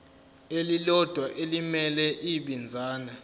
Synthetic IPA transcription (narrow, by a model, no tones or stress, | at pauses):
elilɔd̥ʱwaʔelimɛlɛʔiɓind͡zʱaːna